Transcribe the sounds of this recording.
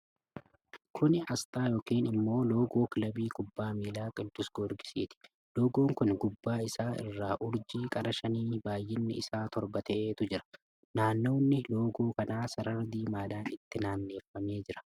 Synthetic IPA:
kʰʊnɪʔɐst̪ʼaːjoːkiːnɪmːo̞ːlo̞ːɡo̞ːkɪlɐbiːkʼʊbːaːmiːlaːkʼɪd̪ːʊsɡ̥oɾɡɪ̥siːt̪ɪ̥ | lo̞ːɡo̞ːŋkʊnɡʊbːaːɪsaːɪ̰rːaːʔʊɾd͡ʒiːkʼɐɾɐʃɐniːbaːjːɪnːɪɪsaːt̪ɔɾbɐt̪ʰeːt̪ʊd͡ʒɪɾɐ̥ | naːnːo̞ːnːɪloːɡo̞ːkɐnaːsɐɾɐɾd̪iːmaːd̪aːnɪt̪ːɪnaːnːe̞ːfːɐme̞ːd͡ʒɪɾɐ̥

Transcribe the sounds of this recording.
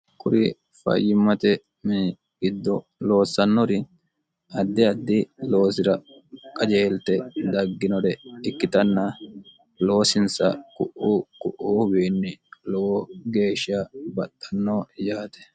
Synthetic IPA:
kʼʊɾɪ | fɐ̰jːɪmːɐt̪ɛ | mɪ | ɡɪd̪ːɔ | lo̞ːsːɐnːɔɾɪ | ɐd̪ːɪɐd̪ːɪlo̞ːsɪɾɐ | kʼɐd͡ʒe̞ːlt̪ɛd̪ɐɡːɪnɔɾɛɪkːɪt̪ɐnːɐ | lo̞ːsɪnsɐ̰kʼʊʔukʼʊʔuːbeːnːɪlɔwoɡe̞ːʃɪabɐt̪ʼːɐnːoːjaːt̪ɛ̥

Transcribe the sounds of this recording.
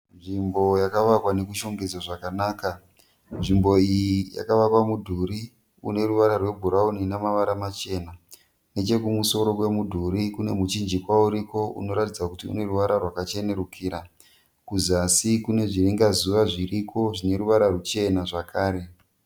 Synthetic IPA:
nʐimbo̞jakaʋakwane̞kuʃo̞ŋɡed͡zaʐakanaːka | nʐimbo̞ijija̰kaʋapamudʱuɾi | ṵne̞ruʋaɾarwe̞bʱuɾauninamaʋaɾamat͡ʃe̞ːna | ne̞t͡ʃe̞kumuso̞ɾo̞kwe̞mudʱuɾikune̞mut͡ʃind͡ʒikwauɾiko̞ʔṵno̞ɾatid͡zakutiṵne̞ruʋaɾarwakat͡ʃe̞ne̞ɾukʰiːɾa | kuzasikune̞ʐiriŋɡazuʋaʐirikʰo̞ʐine̞ɾuʋaɾarut͡ʃe̞naʐakʰaːɾe̞

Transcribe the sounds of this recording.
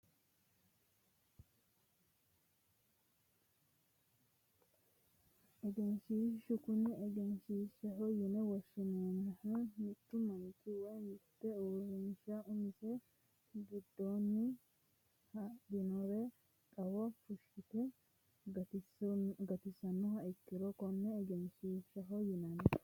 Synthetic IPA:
ʔɛɡɛnʃiːʃʊkʊnːɛɛɡɛnʃiːʃɐhɔjɪnɛwɔsːʊnoːnɐhɐmɪt̪ːʊmɐnɪt̪ːɪwɔjɪt̪ːɛoːɾɪnʃaʔʊmɪsɛ | ɡɪd̪ːoːnːɪ | hɐd̪ɪnɔɾɛ | kʼɐwɐfʊʃɪt̪ɛ | ɡɐt̪ɪsɐnːʊhɐɪkːɪɾɔkɔnːɛːɡɛnʃiːʃɐɦɔjɪnɐn

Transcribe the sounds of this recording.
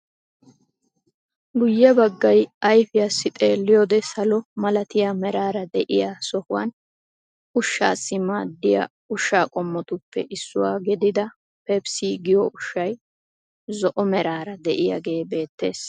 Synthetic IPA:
ɡʊjːɐbɐɡːɐjɐjfɪjasːɪt̪ʼe̞ːlːɪjɔːd̪ɛsɐlɔmɐlɐt̪ɪjamɛɾaːɾɐd̪ɛʔɪjaːsɔhʊwɐ̰n | ʊʃːa̰ːsːɪmaːd̪ːɪja̰ | ʊʃːaːkʼɔmːɔt̪ʊpːɛ̰ʔɪsːʊwaːɡɛd̪ɪd̪ɐ | pɛbsiːɡɪjɔʔʊʃːɐj | zɔʔɔmɛɾaːɾɐd̪ɛʔɪja̰ɡe̞ːbe̞ːt̪ːe̞ːs

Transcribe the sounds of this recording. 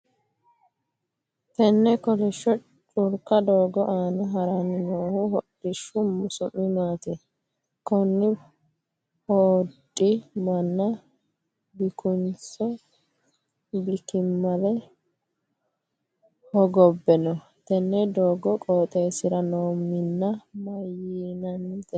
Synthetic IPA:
t̪ɛnːɛkɔlɪʃːɔ | t͡ʃʼʊɾkɐd̪oːɡɔʔaːnɐɦɐɾɐnɪnoːhʊhɔɗɪʃːʊmʊsʊnːɪmaːt̪ɛ | kɔnːɪ | hoːdʼɪmɐnːɐ | bɪkʊnt͡sɔ | bɪkɪmːɐlɛ | hɔɡɔbːɛnɔ | t̪ɛnːɛd̪oːɡɔkʼoːt̪ʼɛjsɪɾɐnoːmːɪnːɐmɐjinɐnːt̪ɛ

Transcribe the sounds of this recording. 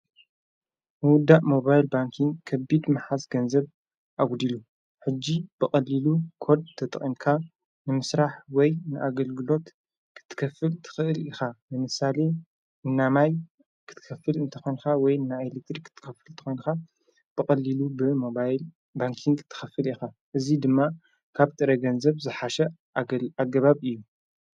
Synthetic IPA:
mɨwʊd̪ːaʔmo̞βajlbaŋkʰiŋɡkʰɐbid̪maħasɡɐnzɐβ | ʔawd̪ilu | ħɨd͡ʒːib̥ɨχʼɐlilukʰo̞ɾd̪̚t̪ʰɐt̪ʼɨχʼimkʰa | nɨmɨsɾaħwɔjnɨʔaɡɐlɡɨlo̞t̪ | kʰɨ̥t̪ʰːɨ̥kʰɐfɨlt̪ʰɨ̥xɨʔɨlixamɨmɨsale̞ | ɨnːamaj | kʰɨ̥t̪ʰɨ̥kʰɐfːɨlɨnt̪ʰɐ̥xo̞jnkawɔjɨnːajelek̚t̪ɾikʰːɨ̥t̪ʰːɨ̥kʰɐfɨlt̪ʰɨ̥xo̞jnxa | b̥ɨkʼɐlːilubɨmoajl | baŋkʰiŋɡt̪ʰɨ̥xɐfɨlixa | ʔɨzid̪ɨmːa | kʰaβt̪ʼɨɾɐɡɐnzɐβzɨħaʃɛ | aɡɐβaβɨjːu

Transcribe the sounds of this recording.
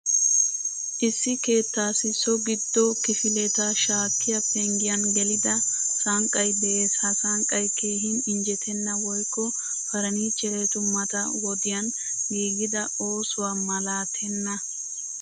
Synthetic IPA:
ʔɪsːɪke̞ːt̪ːaːsɪsɔɡɪd̪ːɔkɪfɪlɛt̪ɐʃaːkʰːɪjɐfɛŋɡɪjɐnɡɛlɪd̪ɐsɐŋkʼːɐjd̪ɛʔeːshɐsɐŋkʼːɐjke̞ːɦɪnɪnd͡ʒɛt̪ʰɛnːɐwɔjkʼːɔ | fɐɾɐniːt͡ʃʼːɛɾet̪ʊmːɐt̪ɐwɔd̪ɪjɐn | ɡiːɡɪd̪ɐo̞ːsʊwamɐlaːt̪ʰɛnːɐ

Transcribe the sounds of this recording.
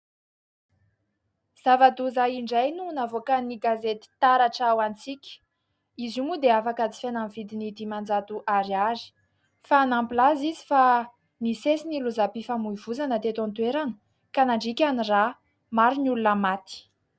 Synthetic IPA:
z̥avat̪uzaiɳɖ͡ʐajnunavokaniɡazet̪i̥t̪aɾaʈ͡ʂawant͡sikʲə̥ | izumud̪eafakət͡si̥fenamivid̪inid̪imand͡zat̪uʔaɾazi̥ | faːnampilazizi̥fa | nisesiniluzapifamuivuzanət̪et̪ãnt̪ueɾanə̥ | kanaɳɖ͡ʐikʲanira | maɾinulunəmat̪i̥

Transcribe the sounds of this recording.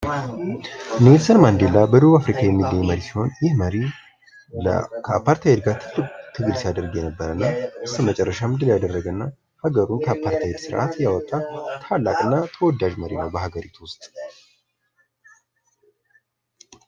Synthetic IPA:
nelsənmand̪elːabəd̪əβuafɾikʰajɛmːilːəɲːməɾisiho̞njɪhməɾi | l̰kʰəpʰːaɾt̪ʰajɛd̪ɡat̪ʰɨt̪ʰɨɡɨlsijad̪əɾɡjɛnəbːəɾənːaɨsɨmət͡ʃʼɛrːəʃamɨnd̪ɨljad̪ərːəɡənːa | haɡəɾunkʰəpʰːaɾt̪ʰajed̪sɨɾʔa̰t̪jawɔt̪ʼːat̪ʰalːakʼɨnːat̪ʰəwɔd̪aʒməɾinəwbəɦaɡəɾit̪ʰuwʊst̪ʼ

